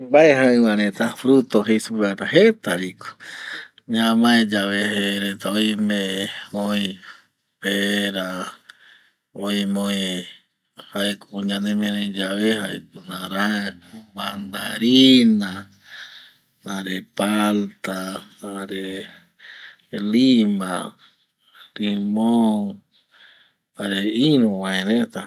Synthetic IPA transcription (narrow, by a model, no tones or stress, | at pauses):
baeɦaɨβãɾẽt̪afɾut̪oɦejsuɾat̪aɦet̪aɾiko̥ | ɲãmãed͡ʒaβeheɾet̪aojmẽmoĩ | peɾa | oimoĩ | hajkuɲãnẽmẽɾẽd͡ʒaβehaekunãɾaband̪aɾina | nãɾepalt̪anaɾe | lima | ɾimo | aɾeinũwãẽnẽt̪a